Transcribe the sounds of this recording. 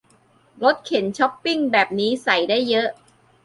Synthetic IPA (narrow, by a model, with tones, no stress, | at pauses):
ɾo˦˥t̪̚kʰe˩˦nt͡ɕʰɔ˦˥pːi˥˩ŋbɛː˨˩p̚niː˦˥sa˨˩˦jdaː˥˩jːɤ˦˥ʔ